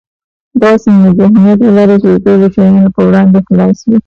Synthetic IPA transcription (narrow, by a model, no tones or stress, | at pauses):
d̪ɑsiləzɪhmijat̪lalɑɾet͡ʃed̪əʈoloʃajɑnopəwɽɑnd̪exlɑswi